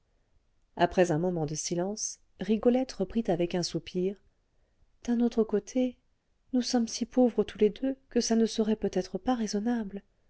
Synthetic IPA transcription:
apχɛzɛ̃mɔmɑ̃d̪əsilɑ̃s | ʁiɡɔlɛt̪ʁəpχit̪avɛkɛ̃supʰiːʁ | d̪̥ɛ̃not̪χəkot̪ʰe | nusɔmsipʰovʁət̪ʰuled̪økəsanəsəʁɛpøt̪ɛt̪χəpaʁezɔnabl

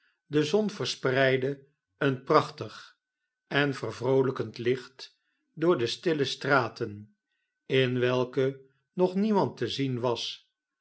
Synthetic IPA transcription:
dəzɔnvərsprɛjdə | ənprɑχtəχ | ɛnvərvrowləkəntlɪχt | dʊːɹdəstɪləstraːtən | ɪnʋɛlˠkə | nɔχnimɑntəzinʋɑs

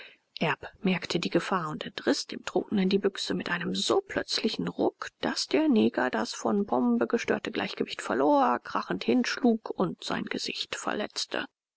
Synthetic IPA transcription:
ʔɛɐpmɛɐktʰədiːɡəfaːɐʊntɛntʁ̥ɪsd̥ḛːmtʁ̥o̰ːtn̩əndiːbʏksəmɪtʔaɪnəmzoːpʰl̥œt͡slɪçn̩ʁʊkd̥asd̥eːɐneːɡɐdasfɔnbɔmbəɡəʃtø̰ːɐtəɡla̰ɪçɡ̥əvɪçtfɛɐloːɐkʁ̥aχn̩thɪnʃluːkʰʊntz̥a̰ɪnɡəz̥ɪçtfɛ̰ɐlɛ̰t͡stʰə̰

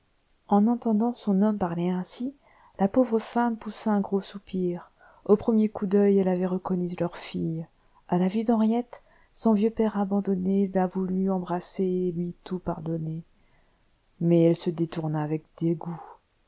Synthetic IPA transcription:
ɑ̃nɑ̃t̪ɑ̃d̪ɑ̃sɔ̃nɔmpaʁlɛɛ̃si | lapovʁəfampusaɛ̃ɡʁosupiːʁ | opχəmjekud̪œjɛlavɛʁəkɔnylœʁfij | alavid̪ɑ̃ʁjɛt̪ | sɔ̃vjøpɛʁabɑ̃d̪ɔnelavulyɑ̃bʁaselɥit̪upaʁd̪ɔne | mɛɛlsəd̪et̪uʁnaːvɛk̚d̪̥eɡu

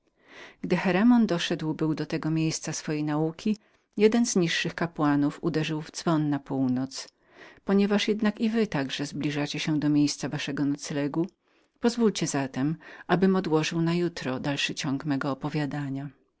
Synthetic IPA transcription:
ɡ̥d̪ɘxɛɾɛmɔnd̪ɔʂɛd̪wbɘwd̪ɔt̪ɛɡɔmʲjejst̪sasfɔjejnaukʲi | jɛd̪ɛnzɲiʂːɘxkapwanufud̪ɛʐɘwvd̪z̥vɔnːapuwnɔt̪s | pɔɲɛvaʂjɛd̪nakivɘt̪aɡʐɛzblʲiʐat͡ɕeɕɛ̃d̪ɔmʲjejst̪savaʂɛɡɔnɔt̪slɛɡu | pɔzvulʲt͡ɕɛzat̪ɛmʔabɘmɔd̪wɔʐɘwnajut̪ɾɔd̪alʂɘt͡ɕɔŋɡmɛɡɔːpɔvʲjad̪aɲa

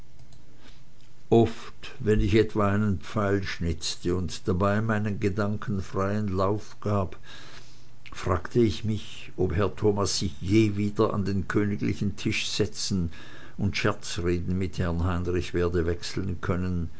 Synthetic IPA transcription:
ʔɔft | vɛnɪçɛtv̥aaɪnənpp͡faɪlʃnɪt͡stəʊntd̥abaɪmaɪnənɡədaŋkʰən̩fʁ̥aɪənlaʊfɡ̥aːb | fʁ̥aːɡ̥tʰəɪçmɪç | ʔophɛɐtʰoːmasːɪçjeːviːdɐʔa̰ndeːnkʰøːnɪɡlɪ̰çn̩tʰɪʃz̥ɛt͡sn̩ | ʊntʃɛɐt͡sʁeːdn̩mɪthɛɐnɦaɪnʁɪçv̥eːɐdəvɛksl̩nkʰœnən

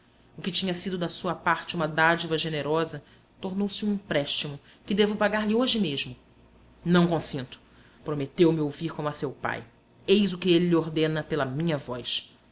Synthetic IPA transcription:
ʊkɪt͡ʃĩɲɐsid̪ʊd̪ɐsuɐpaɾt͡ʃɪũmɐd̪ad͡ʒivɐʒeneɾɔzɐ | t̪oɾnowsɪũĩpɾɛʃt͡ʃimʊ | kɪd̪evʊpaɡaɾlɪoʒɪmeʒmʊ | nɐ̃w̃kõsĩnt̪ʊ̥ | pɾomet̪ewmɪowviɾkõmʊɐsewpa̰j | ejzʊkɪelɪlioɾd̪ẽnɐpelɐmĩɲɐvɔjs

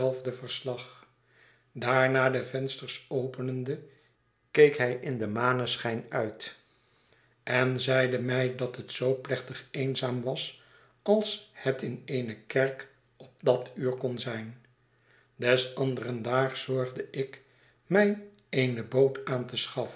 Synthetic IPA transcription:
ɛlˠvdəvəɹslɑχ | daːɹnaːdəvɛnstəɹsowpənəndə | kejkɦɛjʔɪndəmaːnəsχɛjnœɥt | ʔɛnzɛjdəmɛjdɑtɦətsowplɛχt̪əχeɪnzaːmʋɑs | ɑlˠshətɪnejnəkɛɹk | ɔp̚dɑtyːɹkɔnzɛjn | dɛsɑndərəndaːɹzɔɹχdəʔɪk | mɛj | eɪnəbowtaːntəsχɑfə

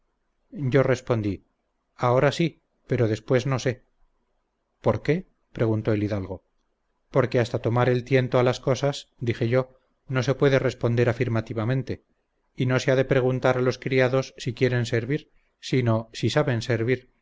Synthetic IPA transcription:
ɟ͡ʝo̞re̞spo̞nd̪i | ao̞ɾasi | pe̞ɾo̞ðe̞spwe̞zno̞se̞ | po̞ɾke̞ | pɾe̞ɣ̞unt̪o̞eliðalɣo̞ | po̞ɾke̞ast̪at̪o̞maɾe̞lt̪je̞nt̪oalasko̞sasd̪ixe̞ʝo̞ | no̞s̬e̞pwe̞ðe̞re̞spo̞nd̪e̞ɾafiɾmat̪iβamẽ̞nt̪e̞ | ino̞se̞aðe̞pɾe̞ɣ̞unt̪aɾalo̞skɾiaðo̞sːikje̞ɾe̞nse̞ɾβiɾ | sino̞sisaβe̞nse̞ɾβiɾ

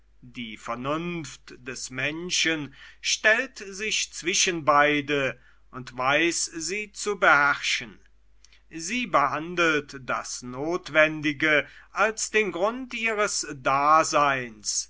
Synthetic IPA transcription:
d̥iːfɛɐnʊnftd̥ɛsmɛnʃənʃtɛltzɪçt͡sv̥ɪʃənbaɪdə | ʔʊntv̥aɪsziːt͡subəhɛʁʃən | ziːbəhandəl̩td̥a̰snoːtv̥ɛndɪɡəʔalsd̥eːnɡʁʊntʔiːʁəsdaːzaɪns

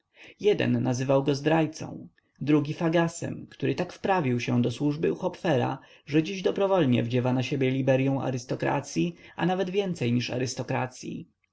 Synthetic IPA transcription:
jɛd̪ɛ̰nːazɘvawɡɔzd̪ɾajt̪sɔ̰̃w̃ | d̪ɾuɡʲifaɡasɛ̰mkt̪uɾɘt̪akfpɾavʲiwɕɛd̪ɔswuʐbɘuxɔpfɛɾa̰ | ʐɛd͡ʑiʑd̪ɔbɾɔvɔlɲɛ̰vd͡ʑɛvanaɕebʲjɛlʲibɛɾjɔ̃w̃a̰ɾɘst̪ɔkɾa̰t̪sʲjianavɛd̪vʲjɛnt̪sɛjɲiʂa̰ɾɘst̪ɔkɾa̰t̪sʲjḭ

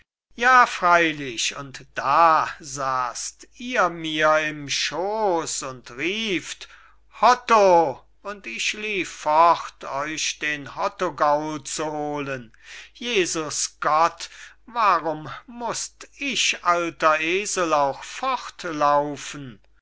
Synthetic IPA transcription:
jaːfʁ̥aɪlɪʃʊntd̥aːzaːstiːɐmiːɐɪmʃoːsʊntʁiːft | hɔto | ʊntɪʃliːfːɔχtʰɔʏʃd̥eːnhɔtoɡaʊlt͡suhoːlən | jeːzʊsɡ̥ɔt | vaʁʊmmʊstɪʃʔaltɐʔeːzəlaʊxfɔχtlaʊfn̩

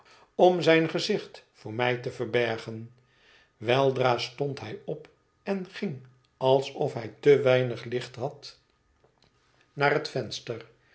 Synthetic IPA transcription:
ɔmzɛjnχəzɪχtfʊːɹmɛjtəvəɹbɛɹχən | ʋɛlˠdraːstɔntɦɛjɔp | ɛnχɪŋ | ɑlˠsɔfɦɛjtəʋɛjnəχlɪχtɦɑt | naːrɦətfɛnstər

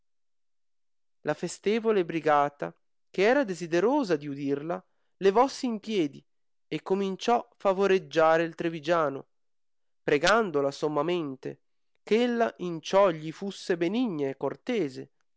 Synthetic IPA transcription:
lʔafest̪eːvolebɾiɡaːt̪a | keɛːɾad̪ezid̪eɾoːzad̪iud̪irla | levɔsːiːmpjɛːd̪i | ekːomint͡ʃɔfavoɾed͡ʒːaːɾeilt̪ɾevid͡ʒaːno̰ | pɾeɡand̪olasomːament̪ḛ | kelːaʔint͡ʃɔʎːifusːebeniɲːaekːort̪eːze

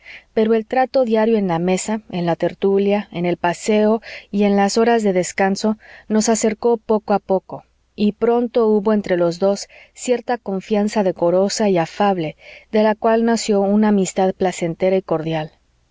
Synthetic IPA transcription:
pe̞ɾoe̞lt̪ɾat̪o̞ðjaɾjo̞e̞nlame̞saenlat̪e̞ɾt̪uljae̞ne̞lpase̞o̞ie̞nlaso̞ɾazðe̞ðe̞skanso̞no̞sase̞ɾko̞po̞koapo̞ko̞ | ipɾo̞nt̪o̞uβo̞ent̪ɾe̞lo̞zðo̞sːje̞ɾt̪ako̞ɱfjansaðe̞ko̞ɾo̞saiafaβ̞le̞ðe̞lakwalnasjo̞unaːmist̪aðplase̞nt̪e̞ɾaiko̞ɾðjal

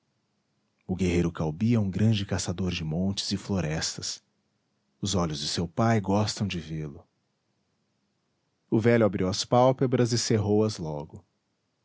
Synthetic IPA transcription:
ʊɡeɦejɾʊkawbiɐũɡɾɐ̃nd͡ʒɪkasad̪oɾd͡ʒɪmõnt͡ʃɪ̥z̥ɪfloɾɛst̪ɐs | ʊzɔʎʊzd͡ʒɪsewpajɡɔst̪ɐ̃w̃d͡ʒɪvelʊ | ʊvɛʎʊabɾiwɐspawpebɾɐzɪseɦowɐzlɔɡʊ

